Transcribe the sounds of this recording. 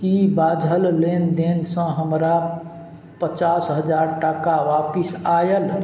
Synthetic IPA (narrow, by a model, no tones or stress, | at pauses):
kibad͡ʒʱəllend̪ensə̃ɦəmɾa | pət͡ʃasɦəd͡ʒaɾʈəkaʋapisajəl